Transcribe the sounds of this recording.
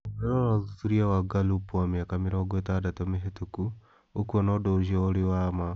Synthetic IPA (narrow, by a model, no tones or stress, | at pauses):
ɾeɔnɔðutuɾiawaɡalupwameakameɾɔɡwetadatɔmeɦetuku | okuɔnɔdoʃiɔːɾɪwama